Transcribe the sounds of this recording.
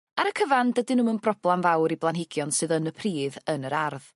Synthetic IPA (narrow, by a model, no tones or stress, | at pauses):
aɾəkʰəvandədɪnuːmənbrɔb̥lˠamvawɾiblˠanɦɪɡjɔnsɨðənəpʰriːðənəɾarð